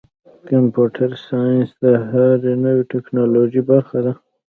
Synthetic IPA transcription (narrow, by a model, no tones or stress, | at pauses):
kampuʈʰaɾsɑjɪnsd̪əɦaɾenəweʈeknɑlod͡ʒibaɾxad̪a